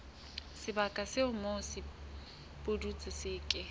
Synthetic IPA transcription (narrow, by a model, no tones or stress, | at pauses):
sɪbakʼasɪʊmosɪ | pʼʊdut͡sʼɪsɪːkʼɪ